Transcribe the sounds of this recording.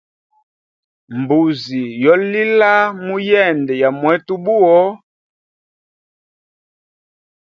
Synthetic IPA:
m˨bu˨zi˨jɔ˨˦li˦la˦mu˦jɛ˦˨ndɛ˨ja˨mwɛ˨˦tu˦bu˦ɔ˦

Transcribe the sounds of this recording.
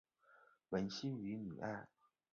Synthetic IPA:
wə˧˥nɕi˥ny˧˥ny̰˨˩a˥˩ɪ

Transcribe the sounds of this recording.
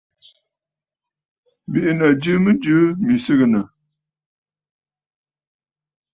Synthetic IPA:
bi˦ʔnə˨d͡ʒɨ˦mə˦d͡ʒɨ˦mi˨sɨ˦ɣə˨nə˨

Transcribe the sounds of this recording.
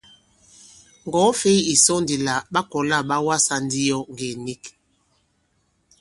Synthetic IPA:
ŋɡɔ˨˦fe˦i˦i˨sɔ˦ndi˨la˨ɓa˦kɔ˨la˦˨ɓa˦wa˦sa˦n˦di˦jɔ˦ŋɡe˨ni˦k

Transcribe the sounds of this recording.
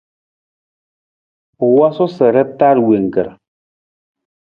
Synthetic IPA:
wa˦sɔ˦sɛ˨ɾɛ˦ta˦ɾwe˨ŋ̩˨kɛ̰˨ɾ

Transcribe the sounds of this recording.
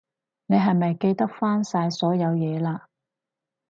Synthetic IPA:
ne˨˧jɦɐ˨jmɐ˨jke˧jt̪ɐ˥k̚faː˥nsaː˧jsɔː˨˥jɐ˨˧wjɛː˨˧laː˧

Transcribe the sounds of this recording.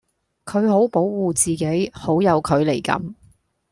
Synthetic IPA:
kʰɵ˨˧ɥho˨˥wpo˨˥wwuː˨t͡siː˨ke˨˥jho˨˥wjɐ˨˧wkʰɵ˨˧ɥle˨˩jkɐ̰˨˥m

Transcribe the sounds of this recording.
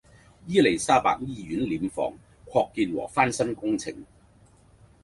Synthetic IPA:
jiː˥le˨˩jsaː˥pa̰ː˧k̚jiː˥jyː˨˥nliː˨˥mfɔ̰ː˨˧ŋ | kʷʰɔː˧kːiː˧nwɔ̰ː˨˩faː˥nsɐ˥nkʊ˥ŋt͡sʰɪ̰˨˩ŋ

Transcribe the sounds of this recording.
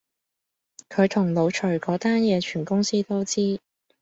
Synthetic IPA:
kʰɵ˨˧ɥt̪ʰʊ˨˩ŋlo˨˧wt͡ʃʰɵ˨˩ɥkɔː˨˥t̪aː˥njɛː˨˧t͡ʃʰyː˨˩nkʊ˥ŋsiː˥t̪o˥wt͡siː˥

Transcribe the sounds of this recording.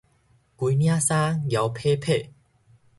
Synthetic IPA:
ki˨˧˦nj̃ã˦sã˦ɡja˨˧wpʰe˦pʰe˥˨

